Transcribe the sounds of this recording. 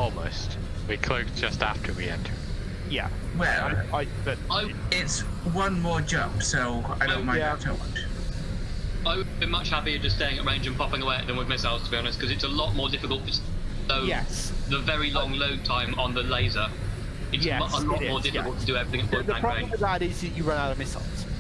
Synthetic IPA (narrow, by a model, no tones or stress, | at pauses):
ɔlˠmoʊst | wikʰl̥oʊzd͡ʒʌsta̰ftʰə˞wḭɛ̰̃ntʰə˞ | jæ̰ | wɛ̰lˠaɪ | bəaɪ | ɪtswʌ̃nmɔːd͡ʒʌ̃mpsoʊaɪoʊmãɪ̃tʰəʌ̃n | aɪwbɨ̃nmʌt͡ʃhapiəd͡ʒʌststeɪɪ̃ŋɨʔɹẽɪ̃nd͡ʒə̃npʰɒpɪ̃ŋəweɪəʔ̚ðə̃mwɪðmɪsaɪlˠz̥tʰəbiɒñɪskʰʌzɨtsəlɔʔmɔːdɪfɪkəlˠtʰəsðoʊjɛsðəvɛɹilɒ̃ŋloʊd̚tʰãɪ̃mə̃nðəleɪzə | ɪtsjɛʔəlɔmɔːdɪfɪkəlˠtʰədəɛvɹiθɪ̃ŋət̚fɔðəãɪ̃ɹẽɪəðəɾɪzət͡ʃəɹʌ̃naʊɾəvmɪsl̩ˠz̥